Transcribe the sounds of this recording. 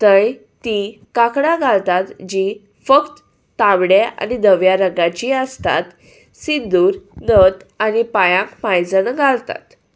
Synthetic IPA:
t̪əj | t̪ikakɽãɡʱalt̪at̪d͡ʑi | fəkt̪ː | aʋɽea̰nid̪əʋjaɾəɡat͡ɕiːəst̪a̰t̪ | sind̪uːɾnət̪anipajãkmajd͡zənɡʱalt̪a̰t̪

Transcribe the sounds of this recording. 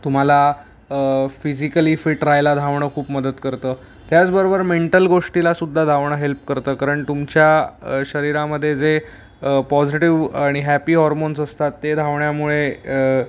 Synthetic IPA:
t̪um̤ala | fid͡ʑikəlifiʈɾajlad̪ʱaʋɳəːkʰuːpməd̪ət̪kəɾt̪əː | t̪jat͡sbəɾobəɾmeɳʈəlɡoʂʈilasud̪ʱːad̪ʱaʋɳ̃əɦelp̚kəɾt̪əːkaɾəɳʈt̪umt͡ɕjaɕəɾiɾãməd̪ʱːjed͡ze | əpɔd͡ziʈiʋaɽ̃iɦæpiːɦɔɾmonsəst̪at̪ːed̪ʱaʋɳjamuɭe

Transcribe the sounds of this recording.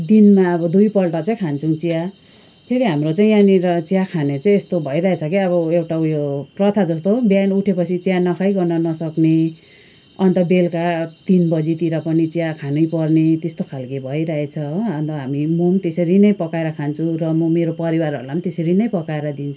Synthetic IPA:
d̪inmaʌbʌd̪ujpʌlʈʌt͡saĩkʰant͡sʰũt͡sija | pʰeɾiɦamrot͡saĩjaniɾʌt͡sijakʰanet͡saĩest̪obʱʌjɾʌɦet͡sʰʌkiʌbʌewʈajorʌt̪ʰad͡zʌst̪objanuʈʰepʌt͡sʰit͡sijanʌkʰʌjɡʌnʌnʌsʌkne | ʌnt̪ʌbelkat̪inbʌd͡zit̪iɾʌpʌnit͡sijakʰanʌjpʌrnet̪est̪okʰalkebʱʌjɾʌɦet͡sʰʌʌnt̪ʌɦamimomt̪esʌɾinʌjpʌkaeɾʌkʰant͡sʰurʌmʌmeɾopʌɾiwarʌ̰ɾulamt̪eseɾinʌjpʌkaeɾʌd̪int͡sʰu

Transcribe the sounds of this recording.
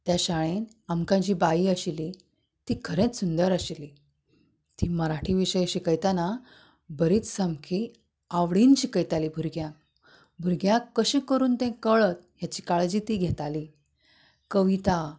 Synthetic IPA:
t̪jaɕaɭen | amkãd͡ʑiːbaiəɕili | t̪iːkʰəɾẽt͡ssund̪əɾaɕili | t̪iːməɾaʈʰiʋiɕəjɕikəjt̪ana | bəɾiːt͡ssamkʰi | aʋɽinɕikəjt̪aliːbʱuɾɡjãk̚ | bʱuɾɡjãkːəɕẽkəɾuːnt̪ẽkəɭət̪̚jat͡ɕiːkaɭd͡ʑiːt̪iːɡʱɛt̪ali | kəʋit̪a

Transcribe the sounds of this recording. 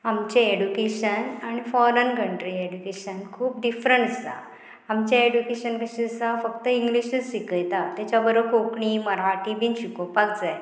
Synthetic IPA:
amt͡ɕeeɖjukeɕənaɽ̃ifɔɾənkəɳʈɾieɖukeɕənkʰuːp̚ɖifɾəɳʈəsa̰ | amt͡ɕjaeɖukeɕənkəɕisafək̚t̪əĩŋɡliɕəsikəjt̪at̪jat͡ɕabəɾokʰokɳiːməɾaʈibʱinɕikopaɡ̚d͡zaj

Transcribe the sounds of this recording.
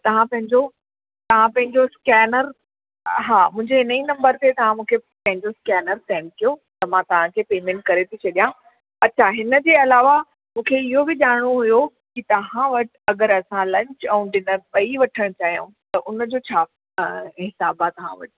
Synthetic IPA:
t̪ɐʋ̤ãpɐ̃ɦɪ̃ɲd͡ʑo | t̪ɐʋ̤ãpɐ̃ɦɪ̃ɲd͡ʑoskɛːnəɾ | ɦaːmʊ̃ɦɪ̃ɲd͡ʑeɦɪnəinɐ̃mbəɾt̪et̪ɐʋ̤ãmũːkʰepɐ̃ɦɪ̃ɲd͡ʑoskɛːnəɾt̪ɛːmkijot̪ɐmãt̪ɐʋ̤ãkʰeːpeːmẽːɳʈ̚kɐɾet̪ʰit͡ɕʰɐɗijã | ɐtːt͡ɕʰaɦɪnə̆d͡ʑeːɐlaːʋa | mũːkʰeɪɦobɪʄaːɽɽ̃oɦʊjo | kit̪ɐʋãʋɐʈɪ̥ɐɡəɾɐsãlɐ̃ɲt͡ɕɛ̃ũɗɪnəɾpɐiʋɐʈʰəɽ̃t͡ɕaːɦijṵ̃ | t̪ɐʔʊnd͡ʑoːt͡ɕʰaː | ɦɪsaːbat̪ɐʋ̤ã̰ʋɐ̰ʈɪ̥

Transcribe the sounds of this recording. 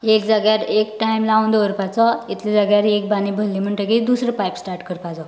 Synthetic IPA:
ekd͡zaɡjaɾek̚ʈajmlaund̪oəɾpat͡sɔit̪ʰlid͡zaɡjaɾek̚banibʱəlim̤əɳʈ̪əkid̪usɾəpajpsʈaɾʈkəɾpad͡zɔ

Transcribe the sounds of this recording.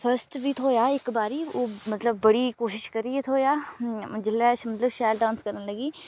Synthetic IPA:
pʰəɾsʈbʱiːt̪ʰoːjaːɪkbaːɾiːoːmɐt̪ləbːɐɽiːkoːʃɪʃkəɾiet̪ʰoːjaːd͡ʒɪlːɛːsmɐt̪ləbʃaːjlɖãːnskɐɾnaləɡiː

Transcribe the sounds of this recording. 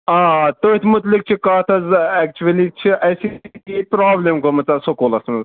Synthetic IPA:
aːt̪ot̪ʰmʊt̪lik̚t͡ʃʰikaːt̪ʰɐzɛk̚t͡ʃuɐlit͡ʃʰiʔɐjsikipɾaːblemkomɐt͡sasokoːlɐsmɐz

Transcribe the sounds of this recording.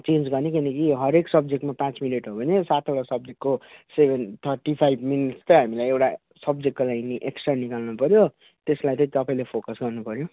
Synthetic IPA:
t͡sẽnd͡zɡʌrnekinʌkiɦʌɾeksʌb̚d͡zekʈmapãt͡smileʈɦobʱʌnesat̪ʰʌɽasʌb̚d͡zekkkosebʱent̪ʰʌrʈipʰajbʱminiʈst̪ʌɦamilajewʈa | sʌb̚d͡zek̚ʈːlajiniʔeksʈrʌnikalnupʌɾjo | t̪eslajt̪ʌ̃t̪ʌpaĩlepʰokʌsɡʌrnupʌɾjo

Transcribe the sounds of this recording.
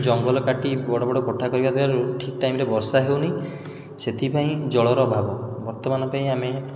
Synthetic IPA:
d͡ʒɔŋɡɔlɔkaʈibɔɽɔbɔɽɔkɔʈʰakɔɾibad̪ibaɾuʈʰikʈajmɔɾebɔɾsaɦewnej | set̪ʰipaĩd͡ʒɔɭɔɾɔːbʱabɔbɔɾt̪ɔmanɔpaĩame

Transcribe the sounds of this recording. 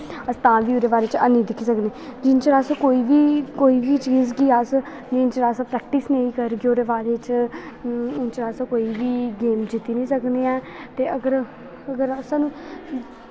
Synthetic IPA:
əst̪ãːnʋiːoːɾeːbaːɾeːt͡ʃanĩːd̪ɪkʰːisəkneːd͡ʒɪnt͡ʃɾaːsãkoːiːʋiːkoːiːʋiːt͡ʃiːzɡiːas | d͡ʒɪnt͡ʃɾaːsãːpɾɛːk̚ʈisnẽĩːkəɾɡeoːɾeːbaːɾeːt͡ʃ | ʊnt͡ʃɾaːsãkoːiːʋiːɡeːmd͡ʒɪt̪ːiːnĩːsəkneːɛː | t̪eːəɡəɾ | əɡəɾəsãːnũː

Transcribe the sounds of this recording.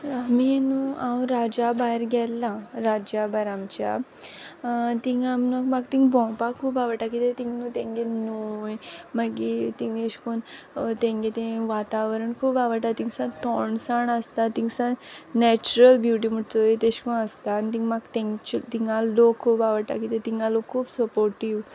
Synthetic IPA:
aminuawɾad͡ʑabajɾɡɛlːaɾad͡ʑabajɾamt͡ɕja̰ | t̪iŋɡaminoɡmaɡt̪ĩŋɡbɔ̃pakʰuːpaʋəʈakit̪et̪ĩŋɡnut̪ẽŋɡenojmaɡit̪iŋɡeʂkun | t̪ẽŋɡet̪ẽʋat̪aʋəɾəɳkʰuːpaʋəʈat̪ĩŋsãt̪ɔɳsaɳəst̪at̪iŋsãnɛt͡ɕuɾəlbjuʈ̬iməʈt͡sɔit̪ẽɕkunəst̪anit̪ĩŋɡmaɡt̪ɛ̃ŋt͡ɕut̪iŋɡalokʰːuːpaʋəɾʈa̰kit̪et̪iŋɡalokʰuːpsəpoɾʈiʋ

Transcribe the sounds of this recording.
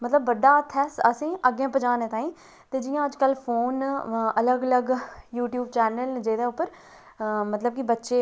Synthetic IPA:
mət̪ləbːəɖːaːət̪ʰːɛːsəsẽːʔəɡãːpəd͡ʒãːnẽːt̪ãːĩː | t̪eːd͡ʒɪjãːəd͡ʒkəlpʰoːnələɡələɡjuːʈjuːbt͡ʃɛːnəld͡ʒeːd̪eːʊpːəɾ | mət̪ləb̚kibətːʃeː

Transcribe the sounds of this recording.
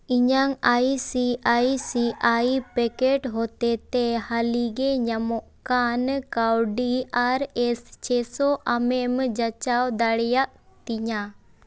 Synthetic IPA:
iɲaŋaisiaisiʔaipɛkeʈɦot̪ɛt̪ehaliɡeɲamɔʔkankawɖiaɾɛst͡ʃɛsoʔamemd͡ʒat͡ʃawd̪aɽjaʔ | t̪iɲa

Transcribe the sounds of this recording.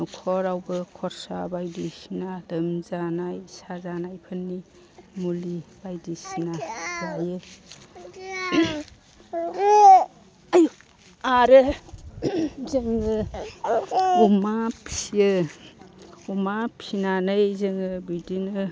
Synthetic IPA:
nɔkʰɔɾawbɯkʰɔɾsabajdisinadɯmzanajsazanajpʰɯnːi | mulib̥ajdisinabajɯ | aju | aɾɯ | zɯŋɯ | umapʰɯ | umapʰinanɯjzɯŋɯbidinɯ

